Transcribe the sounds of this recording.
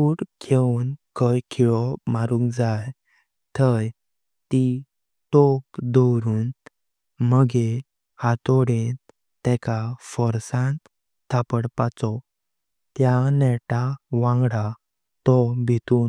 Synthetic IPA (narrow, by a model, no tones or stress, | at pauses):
uːɽkʰenkəjkʰiɭɔmaɾũŋkd͡zaj | t̪ʰəj | t̪i | ʈɔpd̪ɔwɾuːn | məɡe | hat̪ɔɽe | t̪ɛkafɔɾsãnt̪ | t̪ʰːapəɽpat͡sɔ | t̪janɛʈaʋãŋɡɽa | t̪ɔbʱit̪uː